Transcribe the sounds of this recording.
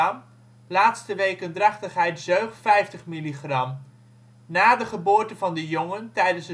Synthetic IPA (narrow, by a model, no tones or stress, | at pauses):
m | laːtstəʋejkəndrɑχtəχɦɛjtzøɥχtfɛjftəχmiliχrɑm | naːdəχəbʊːɹtəvɑndəjɔŋəntɛjdənsə